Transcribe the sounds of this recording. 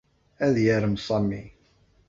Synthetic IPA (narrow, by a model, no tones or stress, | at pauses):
æðjəɾəmsˤɑmːi